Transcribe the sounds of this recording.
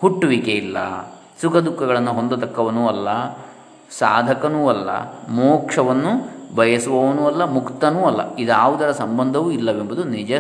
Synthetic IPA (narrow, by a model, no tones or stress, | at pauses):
huʈːuʋikeilːɐ̰ | sukʰɐd̪ukːɐɡɐɭɐnːuɦo̞nd̪ut̪ɐkːɐʋɐnuːɐlːɐ | saːd̪ʱɐkɐnuːɐlːɐ̰moːkʂɐʋɐnːubʱɐjɐsuʋɐʋɐnuːɐlːɐmukt̪ɐnuːɐlːɐ̰id̪aːʋud̪ɐɾɐsɐmbɐnd̪ʱɐʋuːilːɐʋembud̪unid͡ʒɐ